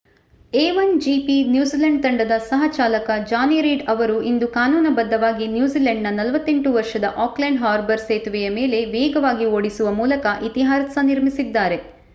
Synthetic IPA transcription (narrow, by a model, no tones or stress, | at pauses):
eːʋɐnd͡ʒipinjuːzilɐɳɖ̚t̪ɐɳɖɐd̪ɐsɐɦɐt͡ʃaːlɐkɐd͡ʒaːniɾiːɖɐʋɐɾuind̪ukaːnuːnɐbɐd̪ːɐʋaːɡinjuːziːlɐɳɖnɐnɐlʋɐt̪ːe̞ɳʈuʋɐɾʂɐd̪ɐʔaːklɐɳɖɦaːɾbɐɾseːt̪ʋɛjɐmeːle̞ʋɛːɡɐʋaːɡioːɽisuʋɐmuːlɐkɐʔit̪iɦaːɾsɐniɾmisid̪ːaːɾe̞